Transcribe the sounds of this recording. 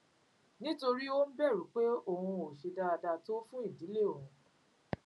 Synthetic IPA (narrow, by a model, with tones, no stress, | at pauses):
nĩ˦to˧ɾi˦o˦n̩˦bɛ˦˨ɾũ˨˦k͡pe˦o˦˨hũ˧o˨ʃe˧da˧da˧to˦fũ˦i˦˨di˨˦le˦˨o˨ũ˨˦